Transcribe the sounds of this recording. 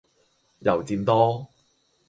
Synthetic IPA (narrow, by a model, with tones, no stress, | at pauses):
jɐ˨˩wt͡siː˧mt̪ɔː˥